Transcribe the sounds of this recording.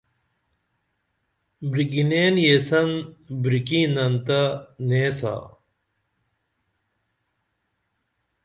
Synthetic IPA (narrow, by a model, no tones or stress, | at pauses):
bɾikineːnjesɐnbɾikĩːnɐnt̪ɐneːsa̰